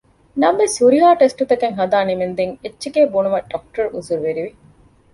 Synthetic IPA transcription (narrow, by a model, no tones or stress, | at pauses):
nɐmʋesuɾiɦaːʈesʈut̪ɐkeŋɦɐd̪aːnimend̪eŋet͡ʃːʃeɡeːbunumɐɖɐk̚ʈɐɾuzuɾʋeɾiʋi